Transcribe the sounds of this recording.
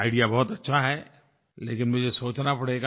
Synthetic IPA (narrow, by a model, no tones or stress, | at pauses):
aːɪɖijabɔɦʊt̪ɐtːʃʰaɦɛ | leːkɪnmʊd͡ʒʱesoːt͡ʃnapɐɽeːɡa